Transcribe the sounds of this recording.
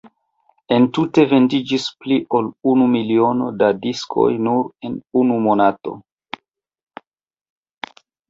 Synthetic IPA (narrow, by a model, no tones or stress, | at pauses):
e̞ntute̞ve̞ndid͡ʒispliʔo̞lunumilio̞nodadiskʰo̞̰jnuɾe̞nunumo̞nato̞̰